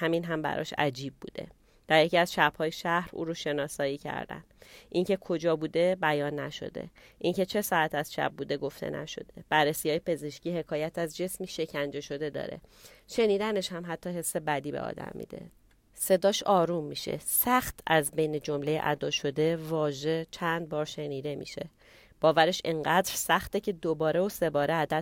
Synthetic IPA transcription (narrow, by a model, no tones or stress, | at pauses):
hæminɦæmbæ̰ɾʔɒ̰ːʃæ̰d͡ʒiːb̚bṵːd̪e̞̰ | d̪̥æɾjeciæzʃæb̥hɒːjeʃæhɾṵːɾoʃe̞nɒːsɒːiːcʰæ̰ɾd̪æ̰nd̪ʔiŋcʰe̞kʰod͡ʒɒːbuːd̪e̞bæjɒːnːæʃo̞̰d̪e̞̰ʔiŋce̞t͡ʃʰe̞sɒːæt̪ʰæz̥ʃæ̰b̚buːd̪e̞ɡo̞ft̪ʰe̞̰nʔæ̰ʃo̞̰d̪e̞b̥ærːesiːhɒːjepʰe̞ze̞ʃciːhe̞kʰɒːjæt̪ʰæzd͡ʒe̞smiːʃe̞cʰænd͡ʒe̞ʃo̞d̪e̞d̪ɒ̰ːɾe̞̰ | ʃe̞niːd̪æne̞ʃhæmɦæt̪ʰːɒːɦe̞sːe̞bæd̪iːbe̞̰ɒ̰ːd̪æ̰mːḭːd̪e̞̰ | se̞d̪ɒːʃɒːɾumːiʃḛsæxt̪ʰæzbe̞jned͡ʒo̞mle̞jḛʔæ̰d̪ɒːʃo̞d̪e̞vɒːʒe̞t͡ʃʰænd̪̚bɒːɾʃe̞niːd̪e̞mḭːʃe̞̰ | b̥ɒːvæɾe̞ʃeɴɢæːd̪ɾsæxt̪ecʰe̞d̪obɒːɾe̞ose̞bɒːɾeæd̪æ